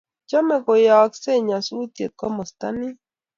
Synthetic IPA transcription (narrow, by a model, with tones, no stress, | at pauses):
t͡ʃɔ˦mɛ˨ko˨jɔ˨kse˦˨ɲa˨su˦tjḛ˨t̪̚kɔ˦mɔ˨st̪a̰˦nɪ˦